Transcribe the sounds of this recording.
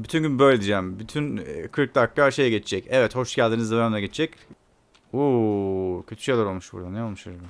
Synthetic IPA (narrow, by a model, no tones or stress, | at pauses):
byt̪ʰynɟynbø̞jlʲed̪id͡ʒɛːmbyt̪ʰynkʰɯɾk̚d̪akːaʃe̞jɛɟet͡ʃʰid͡ʒɛcɛvɛt̪ho̞ʃɟælʲd̪inzd̪aand̪ɛɟet͡ʃʰid͡ʒɛc | uːcʰø̞t̪ʰy̥ʃejlaɾo̞lˠmuʃbṵɾd̪aneolmuʃaɾma